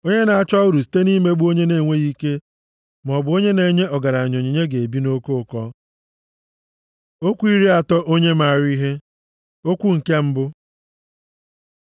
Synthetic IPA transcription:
o˦ɲe˦na˨a˦t͡ʃɔ˦ʊ˦ɾu˨s̬i̥˨˦te˦ni˦me˦ɡ͡bu˦o˦ɲe˦ne˨ŋʷe˦i˦ke˦ | m˨ɔ˨bʊ˨o˦ɲe˦ne˨ɲe˦ɔ˨ɡa˨ɾa˨ɲo˨ɲi˨ɲe˦ɡe˨e˨bi˦no˦ko˦˨kɔ˦ | o˦kʷu˦i˦ɾi˦a˨tɔ˦ʔo˦ɲe˦ma˨ɾi˦ɦe˦ | o˦kʷu˦ŋ̩˨ke˦m̩˦bʊ˦

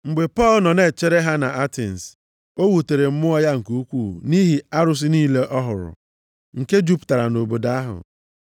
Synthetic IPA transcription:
ŋ͡m̩˨ɡ͡be˨pɔ˦˨lnɔ˨ne˨t͡ʃe˦ɾe˦ɦa˦na˨a˦tḛ˨n̩˨s | o˦wu˨te˨ɾe˨m̩˦mʊ˦ɔ˦ja˦ŋ̩˨ku˦u˦kʷu˦˨ni˦ɦi˨a˦ɾʊ˦s̬ɪ˦niː˦le˦ʔɔ˦ɦʊ˨ɾʊ̰˨ | ŋ̩˨ke˦d͡ʒu˦pta˨ɾa˨no˨bo˨da˦ɦʊ̰˨

